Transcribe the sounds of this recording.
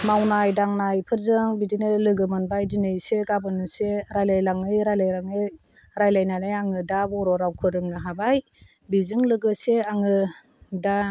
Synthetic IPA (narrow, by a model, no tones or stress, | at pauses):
mawnajdaŋnajpʰɯɾzɯŋbidinɯlɯɡɯmɯnbajdinɯjseɡabɯnɯseɾajlajlaŋɯjɾajlajɾaŋɯj | ɾajlajnanajaŋɯdabɔɾɔɾawkʰɯɾɯŋnɯɦabaj | bizɯŋlɯɡɯseaŋɯ | da